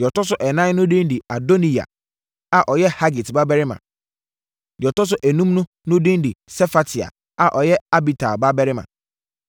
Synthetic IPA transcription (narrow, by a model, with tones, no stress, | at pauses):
jɔ˨tɔ˦s̬ʊ˦ʔɛ˨nã˦n˦nʊ̃˦dĩ˦n˦di˨a˨do˦nĩ˨a̰˨ | a˨ʔɔ˨jɛ˦ha˦ɡi˨tba˦bɛ˦ɾɪ˦mã̰˨ | jɔ˨tɔ˦s̬ʊ˦ʔæ˨nũ˦mnʊ̃˦ | nʊ̃˦dĩ˦n˦di˨sɛ˦fa˨tʰi˨a̰˨ | a˨ʔɔ˨jɛ˦a˦bi˨tʰa̰˨ba˦bɛ˦ɾɪ˦mã̰˨